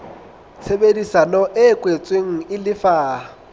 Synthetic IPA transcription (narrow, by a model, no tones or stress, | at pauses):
t͡sʰebedisanɔʔɛkʼwet͡sʼweŋ̩ɪlɪfaː